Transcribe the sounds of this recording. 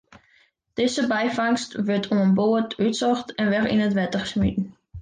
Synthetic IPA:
d̥ɪsəbɛjfɑŋstʋətʰuənboətytsɔχtɛnʋɛrḭnətʋɛtəχəsmitən̩

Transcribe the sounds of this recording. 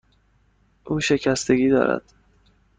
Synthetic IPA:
ʔuːʃe̞cʰæst̪e̞ɡiːd̪ɒ̰ːɾæ̰d̪̥

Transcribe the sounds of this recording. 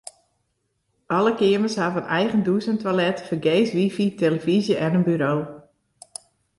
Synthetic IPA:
ʔɔləkɪəməshavənɛjɣənduːzəntʋalɛtfərɡeːsʋifiteləvizjəʔɛnənbyɾoː

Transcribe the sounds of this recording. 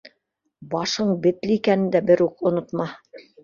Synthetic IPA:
bɑʃɤɴbɘ̆t̪lɘikænɘnd̪æbɘɾukŏnŏt̪mɑ

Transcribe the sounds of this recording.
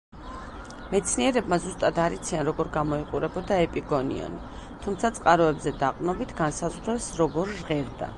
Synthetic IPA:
mɛt̪sʰniɛɾɛbmazust̪ʼad̪aɾit̪sʰianɾɔɡɔɾɡamɔiqʼuɾɛbɔd̪aɛpʼiɡɔnḭɔ̰ni | t̪ʰumt̪sʰat̪sʼqʼaɾɔɛbzɛd̪aqʼnɔbit̪ʰɡ̥ansazʁɾɛsɾɔɡɔɾːʁɛɾd̪a̰

